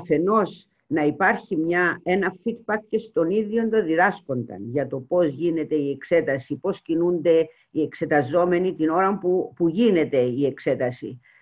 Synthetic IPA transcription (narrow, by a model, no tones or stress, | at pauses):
ɐfe̞no̞s | nɐipɐɾçimɲɐe̞nɐfid̪̚bɐk̚cest̪o̞niðjo̞nd̪oðiðɐsko̞nd̪ɐ̰nʝɐt̪o̞po̞zʝine̞t̪e̞ie̞kse̞t̪ɐsipo̞scinund̪e̞ | ie̞kse̞t̪ɐzo̞me̞nit̪ino̞ɾɐmpupuʝine̞t̪e̞ie̞kse̞t̪ɐsḭ